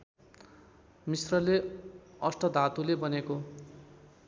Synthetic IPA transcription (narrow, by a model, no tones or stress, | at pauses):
misrʌleʌsʈʌd̪ʱat̪ulebʌneko